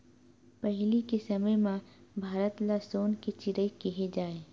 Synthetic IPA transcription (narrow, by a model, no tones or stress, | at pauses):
pɛɦlikesɐməjmãbʱaːɾət̪lasoːnkit͡ʃɪɾəikiɦed͡ʒaːeː